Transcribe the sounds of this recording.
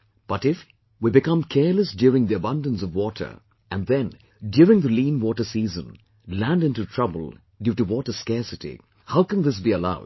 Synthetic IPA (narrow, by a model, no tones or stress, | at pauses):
b̥ʌtɪf | wibɨkʌ̃mkʰɛɹləsdjuːɹɪ̃ŋðiəbʌ̃ndə̃nsʌvwɔtʰə̰˞ | æ̃nðɛ̃n | djuɹɪ̃ŋðəlĩnwɔʈə˞sizə̰̃n | læ̃ndɪ̃ntutʰɹ̥ʌbə̰lˠ | djuːʈuwɔʈəskɛɹsɨtḭ | haʊkə̃n̩ðɪs̬biəla̰ʊd̥̚